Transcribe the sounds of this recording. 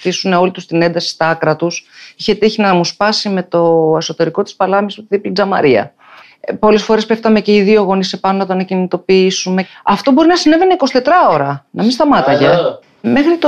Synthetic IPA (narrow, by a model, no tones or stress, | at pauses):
θisune̞o̞lit̪ust̪ine̞nd̪ɐsi̥t̪ɐkɾɐt̪usiçe̞t̪içinɐmuspɐsime̞t̪o̞e̞so̞t̪e̞ɾiko̞t̪i̥spɐlɐmismut̪iðiplid͡zɐmɐ̰ɾiɐ̰ | po̞le̞sfo̞ɾe̞spe̞ft̪ɐme̞ceiðio̞ɣo̞nisepɐnonɐt̪oɐnɐcinit̪o̞piisume̞ɐft̪o̞bo̞ɾinɐsine̞ve̞neiko̞si̥t̪e̞t̪ɾɐo̞ɾɐnɐminst̪ɐmɐt̪ɐʝe | me̞xɾit̪o